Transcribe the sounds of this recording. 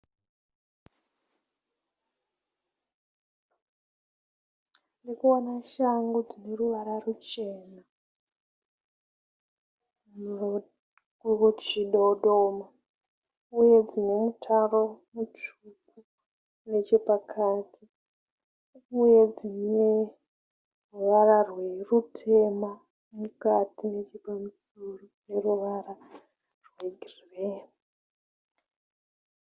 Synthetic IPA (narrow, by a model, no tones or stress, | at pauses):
ndekuonaʃaŋɡud͡zine̞ruʋaɾarut͡ʃe̞ːna | uot͡ʃiɗoɗoma | ujo̞d͡zine̞mutʰaro̞mut͡ʃuku | ne̞t͡ʃe̞pakʰaːtʰi | uje̞d͡zine | ruʋaɾarwe̞rutʰe̞ma | mukatinet͡ʃepamus | urune̞ruʋaɾa | rwe̞ɡʱiriʋeːna